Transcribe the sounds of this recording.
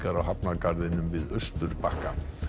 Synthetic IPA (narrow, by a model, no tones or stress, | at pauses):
kaɾawhapnakaɾðɪnʏmvɪðœst̪ʏɾ̥pahka